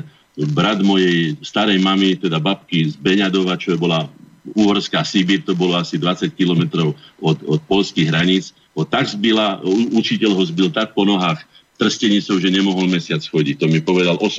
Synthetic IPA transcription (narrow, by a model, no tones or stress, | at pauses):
bɾad̪mɔjɛjst̪aɾɛjmamit̪ɛd̪abap̚kizbɛɲad̪ɔʋat͡ʃɔɛbɔla | uːɦɔɾskaːsibiːɾt̪ɔbɔlɔasid̪ʋat͡sackilɔmɛt̪ɾɔʊɔt̪ɔt̪̚pɔʎskiɣɦɾaɲit͡s | ɦɔt̪aɡzbilaut͡ʃicɛʎɦɔzbilt̪ak̚pɔnɔɦaːx | t̪r̩scɛɲit͡sɔʊʒɛɲɛmɔɦɔlmɛsɪat͡sxɔɟic̚t̪ɔmipɔʋɛd̪alʔɔs